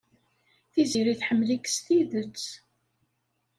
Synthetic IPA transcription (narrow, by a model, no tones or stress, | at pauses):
θiziɾiθħəmːlikst̪iðət͡sː